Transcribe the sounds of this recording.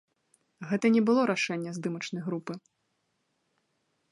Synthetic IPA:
ɣɛt̪ɐnʲɛbɨlˠɔɾʔaʂɛnʲːɐzd̪ɨmɐt͡ʂnɐjɣɾupɨ

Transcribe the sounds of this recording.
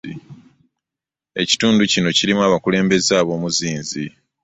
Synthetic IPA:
e̞̰ci̥tuːnducino̞ciɾimuaβakule̞ːmbe̞zaːβo̞ːmuziːnzi

